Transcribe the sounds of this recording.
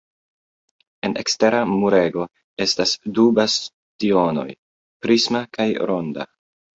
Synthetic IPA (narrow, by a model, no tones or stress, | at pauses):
e̞nʔe̞̰kste̞ɾamuɾe̞ɡo̞ | e̞stasdubas | tio̞no̞̰j | pɾismakajɾo̞nda̰